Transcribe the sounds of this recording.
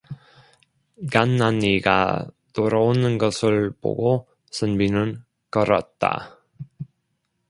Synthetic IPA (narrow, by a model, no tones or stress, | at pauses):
ɡanːaniɡa̰toɾʌonɯnɡʌsʰɯɭbo̰ɡo | sʰɯnbinɯn | kʌɾʌt̚t͈a̰